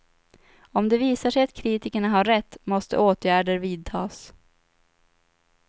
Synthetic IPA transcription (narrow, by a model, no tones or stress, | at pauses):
ɔmd̪ɛviːsaʂɛjat̪kʰɾiːt̪ɪkəɳaɦaːɛt̪ːmɔst̪ə̰ʔoːt̪ʰjæːɖəɾviːd̪̚t̪ʰɑːs